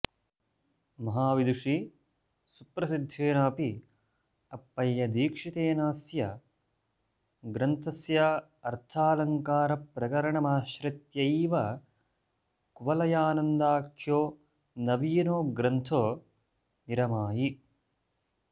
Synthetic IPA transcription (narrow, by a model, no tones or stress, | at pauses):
mɐɦaːʋid̪uʂi | supɾɐsid̪ʱːeːnaːpi | ɐpːɐjːɐd̪iːkʂit̪eːnaːsjɐ | ɡɾɐnt̪ʰɐsja | ɐɾt̪ʰaːlɐŋkaːɾɐpɾɐkɐɾɐɳɐmaːʃɾɐt̪jɐiːʋɐ | kuʋɐlɐjaːnɐnd̪aːkʰjoː | nɐʋiːnoːɡɾɐnt̪ʰoː | niɾɐmaːji